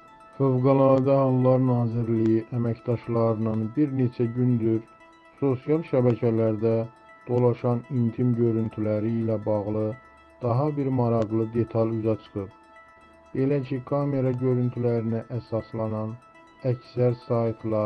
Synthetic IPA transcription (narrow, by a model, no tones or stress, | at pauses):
føvɡɑlˠɑd̪ɑhɑlˠːɑɾnɑːziɾlijiʔæmæcd̪ɑʃlˠɑɾɯnɯnbiɾne̞t͡ʃʰæɟynd̪yɾ | so̞sijɑlˠʃæbæcʰælæɾd̪æ | d̪̥o̞lˠɑʃɑnint̪ʰimɟø̞ɾynt̪ʰylæɾiːlæbɑɣlˠɯ | d̪̥ɑɦɑbiɾmɑɾɑɣlˠɯd̪e̞t̪ʰɑlyzɑt͡ʃʰɯ̥χɯp | b̥e̞læcʰikʰɑme̞ɾɑɟø̞ɾynt̪ʰylæɾinæʔæsɑslˠɑnɑn | æcsæɾsɑjt̪ʰlˠɑ